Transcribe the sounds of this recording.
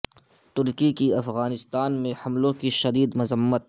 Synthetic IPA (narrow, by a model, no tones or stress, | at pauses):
t̪ʊɾkikiɐfɣaːnɪst̪aːnmẽhɐmlõkiʃɐd̪iːd̪mʊzəmːət̪̚